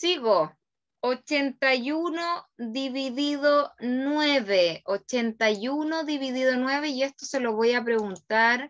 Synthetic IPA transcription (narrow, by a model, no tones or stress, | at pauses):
siɣo | ot͡ʃe̞nt̪ajunoðiβiðiðonweβeot͡ʃent̪ajunoðiβiðiðo̞nwe̞βeie̞st̪o̞se̞loβo̞jap̬ɾe̞ɣunt̪aɾ